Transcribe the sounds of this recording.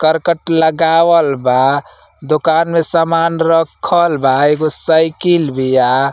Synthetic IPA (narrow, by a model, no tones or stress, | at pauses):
kəɾkəʈləɡawəlba | d̪okanmesamanɾəkʰəlbaeɡosəjkilbija